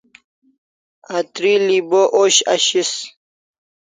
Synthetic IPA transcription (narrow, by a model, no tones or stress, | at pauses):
at̪ɾiliboʔoɕa̰ɕis